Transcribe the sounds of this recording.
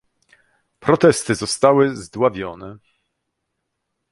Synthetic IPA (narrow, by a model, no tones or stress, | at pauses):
pɾɔt̪ɛst̪ɘzɔst̪awɘzd̪wavʲjɔnɛ